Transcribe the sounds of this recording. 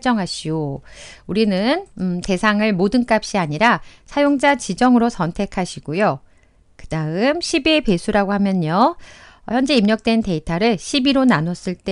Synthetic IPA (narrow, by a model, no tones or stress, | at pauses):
t͡ɕ͈ʌŋɦaɕʰiouɾinɯnte̞sʰaŋɯɭmodɯnk͈ap̚ɕ͈iaɲiɾasʰajoŋd͡ʑat͡ɕid͡ʑʌŋɯɾosʰʌntʰe̞kʰaɕʰiɡojo | kɯdaɯmɕʰibepe̞sʰuɾaɡoɦhamjʌɲʌ | çjʌnd͡ʑe̞imɲʌk̚t͈we̞nte̞itʰaɾɯɭɕʰibiɾonanʌs͈ɯɭt͈e